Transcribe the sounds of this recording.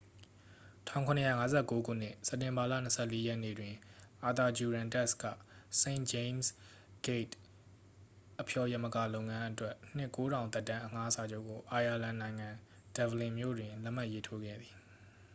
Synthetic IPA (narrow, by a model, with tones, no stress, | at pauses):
tʰã̰˦˨ʊ̃ŋkʰʊ̃˨nə˨ja̰˦˨ŋa˦zɛ˦˨ko˦ɡṵ˦˨n̥ɪ̰˦˨sɛ˦˨tːɪ̃˨mba˨lä̰˦˨n̥əsʰɛ˦˨le˦jɛ˦ʔnḛ˦˨dwɪ̃˨ʔa˨t̪a˨d͡ʑu˨ɹã˨ntɛ˦˨skä̰˦˨sẽ˨ɪ̃nd͡ʑẽ˦ms | ɡ̥e˦˨t | ʔəpʰjɔ˨jɛ˦ʔmə˨ka˨lõ˨ʊ̃ŋã˦ʔətwɛ˦ʔn̥ɪ˦˨ko˦ɾã˨ʊ̃t̪ɛ˦˨tːã˦ʔəŋa˦sa˨d͡ʑo˦ʊkːo˨ʔa˨ja˨lã˨nã˨ɪ̃ŋã˨ | d̥ɛ˨bəlɪ̃˨mjo̰˦˨dwɪ̃˨lɛ˦ʔm̥a˦ʔje˦tʰo˦ɡɛ̰˦˨d̪ði˨